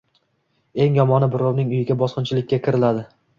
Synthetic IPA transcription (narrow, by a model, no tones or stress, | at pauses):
e̞ŋjɒmɒnɪbʊɾownɪŋʊjɪɡʲabɒsqɨnt͡ʃʰɪlɪkʲːakʲʰɪɾɪlad̪ɪ